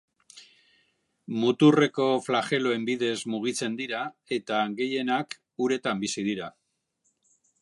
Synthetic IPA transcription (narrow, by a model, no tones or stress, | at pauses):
mut̪ure̞ko̞flaxe̞lo̞e̞mbiðe̞zmuɣ̞it͡se̞nd̪iɾae̞t̪aɡe̞je̞nak | uɾe̞t̪ambisið̞iɾa